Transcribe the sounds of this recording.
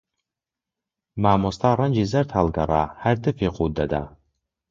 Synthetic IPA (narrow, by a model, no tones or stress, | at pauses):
maːmostʰaɾand͡ʒizartʰalɡaɾa̰hardɨpʰeqʼudada̰